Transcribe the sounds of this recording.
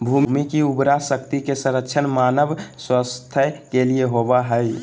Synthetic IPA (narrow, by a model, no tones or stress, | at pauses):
bʱummikiubɾasəkt̪ikesə̃ɾəkʃʰənmanəbswəst̪ʰəkelieɦobaɦəj